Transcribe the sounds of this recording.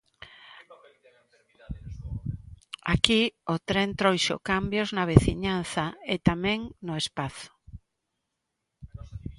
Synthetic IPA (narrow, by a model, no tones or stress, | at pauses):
akiot̪ɾent̪ɾojʃo̰kambjoznaβ̞eθiɲanθaet̪amɛ̃ŋnoespaθo̥